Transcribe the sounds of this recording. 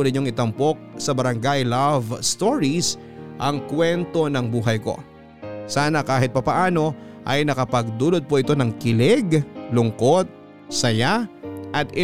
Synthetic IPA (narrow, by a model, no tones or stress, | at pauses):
ʊnɪɲo̞ŋɪt̪ɐmpo̞k̚sɐbɐɾɐŋɡajlavst̪oɹis | ʔɐŋkwɛnt̪o̞nɐŋbuːɦɐjko̞̰ | saːnɐkaːɦɪt̪̚pɐpɐʔaːno̞ʔɐjnɐkɐpɐɡ̚d̪uːlod̪̚poʔɪt̪o̞nɐŋkɪlɛɡlʊŋko̞t̪̚ | sɐjaʔɐt̪ɪ